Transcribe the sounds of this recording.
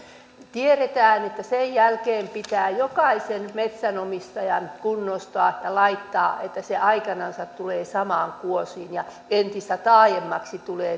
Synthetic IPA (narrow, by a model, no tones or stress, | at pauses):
t̪ieret̪æːnet̪ːæsejjælkeːmpit̪æːjokɑisenmet̪sænomist̪ɑjɑnkunːost̪ŏɑːjɑlɑit̪ːɑːet̪ːæseʔɑikɑnɑnsɑt̪tuleːsɑmɑːŋkuosiːnjɑ | ent̪ist̪æt̪ɑːjemːɑksit̪uleː